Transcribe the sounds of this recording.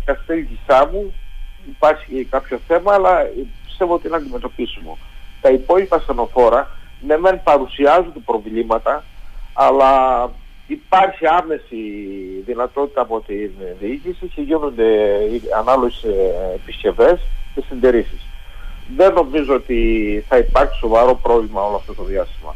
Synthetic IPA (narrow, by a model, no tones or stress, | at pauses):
kɐst̪elʝisɐmuipɐɾçikɐpço̞θe̞mɐːlɐpi̥st̪e̞voot̪inɐːnd̪ime̞t̪opisumo̰t̪ɐipo̞ʎipɐseno̞fo̞ɾɐnemempɐɾusiɐzund̪epɾo̞vlimɐt̪ɐː | lɐ | ipɐɾçiɐme̞siðinɐt̪o̞t̪i̥t̪ɐːpo̞t̪inðiicisiceʝinund̪e̞iɐnɐloʝesːpisce̞ve̞sce̞sind̪eɾisisðe̞nːo̞mizo̞ot̪iθɐipɐɾçi̥so̞vɐɾo̞pɾo̞vlimɐo̞loɐft̪ot̪o̞ðiɐst̪imɐ̰